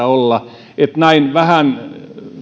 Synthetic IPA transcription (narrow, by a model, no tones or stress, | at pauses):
æolːɑ | et̪næinʋæhæn